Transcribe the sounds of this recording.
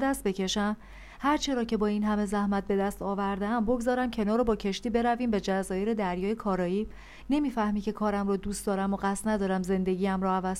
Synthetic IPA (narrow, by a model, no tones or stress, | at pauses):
d̪æst̪̚be̞cʰe̞ʃæm | hæɾt͡ʃʰe̞ɾɒːcʰe̞bɒːiːnɦæme̞zæhmæt̪̚be̞d̪æst̪ɒːvæɾd̪eæmbo̞ɡzɒːɾæmcʰe̞nɒːɾobɒːcʰe̞ʃt̪iːbe̞ɾæviːmbe̞d͡ʒæzɒːjeɾe̞d̪æɾjɒːjekʰɒːɾɒːjiː | ne̞miːfæhmicʰe̞kʰɒːɾæmrɒːd̪uːst̪d̪ɒːɾæmoɢæst̪næd̪ɒːɾæmze̞nd̪e̞ɟʲiːæmɾɔːævæz